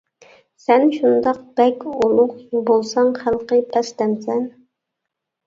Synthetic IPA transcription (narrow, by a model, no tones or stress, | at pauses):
sɛnʃund̪ɑq̚b̥ɛkʲulˠʊqjubolˠsɑŋχælˠqəpʰɛst̪ɛmsɛn